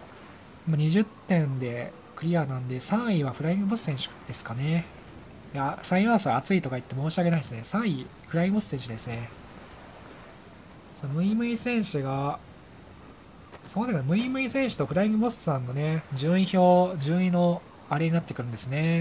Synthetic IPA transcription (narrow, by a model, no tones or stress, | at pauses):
maɲ̟iʑɨt̪ːẽ̞nd̪e̞ | kɯ̟ɾʲianãnd̪e̞sãɰiβaɸɯ̟ɾaĩŋɡɯ̟bosɨ̥sẽ̞ɰ̃ɕɨ̥d̪̥e̞sɨ̥kane̞ | d̪easãĩãsɨaːt͡sɨit̪o̞kait̪ːe̞mo̞ːɕiaɡʲe̞naiesɨne̞sãi | ɸɯɾaĩɡɯbo̞sɨ̥sẽɕɨd̪e̞sɨne̞ | sonmɯ̟imɯ̟isẽ̞ɰ̃ɕɨɡa | soːnd̪ek̪mɯ̟imɯ̟isẽɰ̃ɕɨ̥t̪o̞ɸɯ̟ɾaĩŋɡɯ̟bo̞sɨ̥sãnːo̞ne̞d͡ʑɨːĩço̞ːd͡ʑɨːĩno̞ | aɾe̞ɲ̟inat̪ːe̞kɯɾɯ̟nd̪e̞sɨne̞